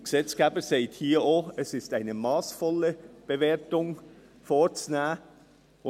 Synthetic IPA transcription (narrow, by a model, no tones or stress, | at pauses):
ɡ̥əsɛt͡sɡ̥ɛːbəseɪthiːoːɛsɪstaɪnəmɑːsfɔləb̥əveːɐtʊŋ | foːt͡snæː | ʊ